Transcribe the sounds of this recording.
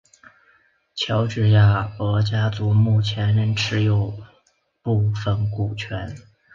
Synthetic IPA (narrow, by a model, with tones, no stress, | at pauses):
t͡ɕʰjɑ˧˥ʊʈ͡ʂɻ̩˥˧ja˥˩ɤ˧˥t͡ɕja˥t͡su˧˥mu˥˩t͡ɕʰjɛ˧˥nɻə˧˥ŋʈ͡ʂʰɻ̩˧˥jo˨˩ʊ | pu˥˧fə˥˩nku˨˩t͡ɕʰɥɛ˧˥n